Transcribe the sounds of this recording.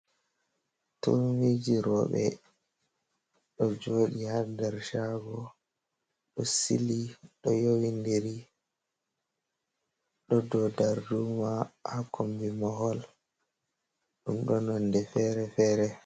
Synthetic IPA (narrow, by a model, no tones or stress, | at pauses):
to̰mid͡ʒiɾɔ̰ɓɛ̰ | ɗɔd͡ʒoːɗihaɾdaɾʃaɡɔ | ɗɔsiliɗɔjowindiɾi | ɗɔdɔdaɾdumahakʰombimɔhɔl | ɗumɗɔnɔndɛfɛːɾɛfɛːɾɛ